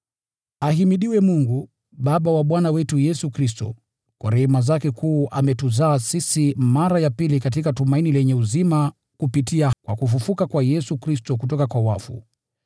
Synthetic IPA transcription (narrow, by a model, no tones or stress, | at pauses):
aɦimiɗiwɛmuŋɡu | ɓaɓawaɓwanawɛtujɛsukɾistɔ̰ | kwaɾɛhɛmazakɛkuːʔamɛtuzaːsisimaɾajapilikatikatumainilɛɲɛuzima | kupitiakwakufufukakwajɛsukɾistɔkutɔkakwawafṵ